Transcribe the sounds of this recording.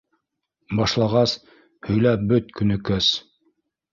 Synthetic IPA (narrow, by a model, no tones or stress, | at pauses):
bɑʃlˠɑʁɑs | hɵ̆jlæp̚bɵt̪kɵ̆nɵ̆kæs